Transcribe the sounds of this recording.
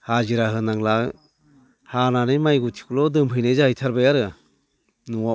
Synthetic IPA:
haziɾaɦɯnaŋla | hananɯjmajɡutʰi̥kulɔdɯmɦɯjnajzahɯjtʰaɾbajaɾɯ | nuwa

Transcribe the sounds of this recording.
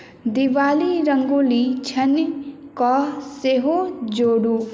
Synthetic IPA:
d̪iʋaːliɾəŋɡulit͡ʃʰɐnkɔseɦod͡ʒoːɽu

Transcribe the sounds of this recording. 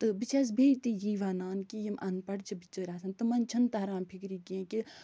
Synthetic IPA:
t̪ɨbit͡ʃʰeːs̬beːt̪iːjiːʋaːnaːnkijimʔɐnpɐɽt͡ʃʰɐbit͡ʃːəːɾaːsʰɐnt̪ɨmɐnt͡ʃʰɐnt̪aːɾãːnpʰikɾiːkiẽːki

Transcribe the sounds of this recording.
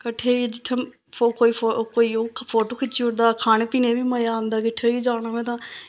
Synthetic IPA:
kəʈʰːeːid͡ʒɪt̪ʰːem | okoːiːokoːiːoːpʰoːʈoːkʰɪt͡ʃːiʊʈd̪aːkʰaːneːpiːneːbiːməjaːãːnd̪aːkɪʈʰːeːʋiːd͡ʒaːñaːmɛ̃ːt̪̬ãː

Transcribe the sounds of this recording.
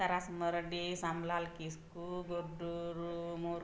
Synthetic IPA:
ɐɾasməɾɖisamlalkiskuɡoɖuɾumuɾ

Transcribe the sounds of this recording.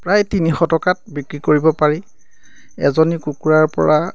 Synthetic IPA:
pɹajtinixɔtɔkat̚bikɹikoɹibɔpaɹi | ɛ̰zonikukuɹaɹpɔ̰ɹa

